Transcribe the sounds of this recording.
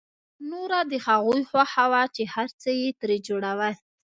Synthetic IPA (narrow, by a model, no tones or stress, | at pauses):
noɾad̪əhaɣujxwaxawat͡ʃehaɾt͡səjet̪ɾed͡ʒoɽawə